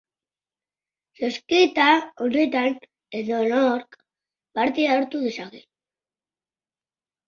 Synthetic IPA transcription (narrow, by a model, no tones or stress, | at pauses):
soskit̪aonet̪an | e̞ðonoɾk | baɾt̪iaoɾt̪uðesaɣi